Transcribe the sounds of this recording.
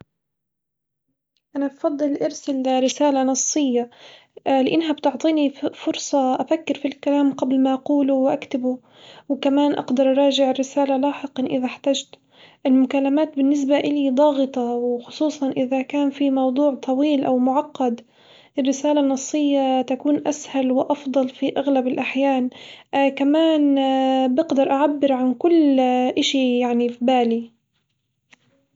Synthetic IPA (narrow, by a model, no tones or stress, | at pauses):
ʔanabfɑd̪ˤːɨlʔɑɾsɪlɾɪsaːlanɑsˤːɨjːa | lɪʔɪnːɦabt̪ʊʕt̪ˤiːnifʊɾsˤɑʔafakːɪɾfilkalaːmqablmaʔɑquːlʊwʔakt̪ɪbu | wkamaːnʔɑ̰qd̪ɑɾˤʔɑɾˤɑːʒɪʕɪrːɪsaːlalaːħɪqɑnʔɪðaħt̪aːd͡ʒt̪ | ʔɪlmʊkalːamaːt̪̚bɪnːɪs̬baʔɪlid̪ˤɑːɣɨt̪ˤɑwɪxʊsˤuːsˤɑnʔɪðakaːnfimɑwd̪ˤuːʕt̪ʰˤɑwiːlʔawmʊʕɑqːɑd̪ | ʔɪrːɪsaːlanːɑsˤːɨjːat̪akuːnʔashalwɪʔɑfd̪ˤɑlfiʔaɣlabɪlʔaħjaːnkamaːnbɪɡd̪ɑɾˤʔaʕabːɪɾʕankʊlːʔɪʃijaʕnifbaːli